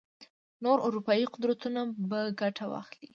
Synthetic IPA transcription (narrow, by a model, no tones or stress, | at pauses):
noɾʊɾupɑjiqʊd̪ɾat̪unabaɡaʈʰawɑ̰xli